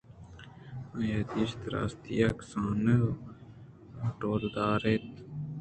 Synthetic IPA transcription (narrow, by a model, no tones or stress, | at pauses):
ɐjad̪ist̪ɾa̰ːst̪ijaksaːnə | ʈoːɾd̪aːɾet̪